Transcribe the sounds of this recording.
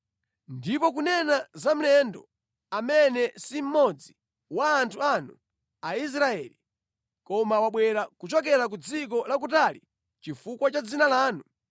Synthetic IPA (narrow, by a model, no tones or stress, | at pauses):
ndipɔk̬unɛnazam̩lɛndɔ | amɛnɛsim̩mɔd͡zi | waːntʰuanu | ais̬ɾaɛli | kɔmawaɓwɛɾakut͡ʃɔk̬ɛɾak̬ud͡zik̬ɔlak̬ut̬ali | t͡ʃifukwat͡ʃad͡zinalaːnu